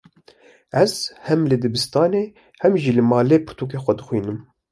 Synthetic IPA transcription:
ɛz̥hɛmlɨd̪ɨbɨst̪ɑːneː | hɛmʒilɨmɑːleːpʰɨɾt̪ʰuːk̬eːxʷɛd̪ɨxʷiːnɨm

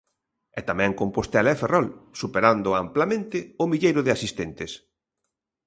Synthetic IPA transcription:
ɛt̪amɛ̃ŋkompost̪alɛferɔlsupeɾand̪ʊamplamẽnt̪ɪʊmiʎejɾʊðɪasist̪ent̪ɪs

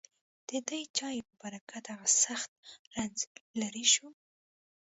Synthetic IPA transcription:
d̪̥əd̪əjt͡ʃɑjpəbaɾakad̪aɣasaxt̪̚ɾanzlaɾiʃu

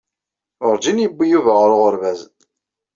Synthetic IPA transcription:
ʊɾd͡ʒinjəbːijuvəʁɾʊʁəɾvæz

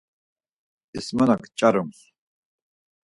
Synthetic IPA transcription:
ismanakʰt͡ʃʼaɾums

